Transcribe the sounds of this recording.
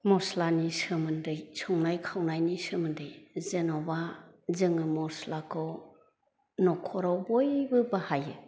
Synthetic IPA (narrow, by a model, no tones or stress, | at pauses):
mɔslanisɯmɯndɯjsɯŋnajkʰawnajnisɯmɯndɯjzenɔbazɯŋɯmɔslakʰɔ | nɔkʰɔɾawbɔjbɯbahajɯ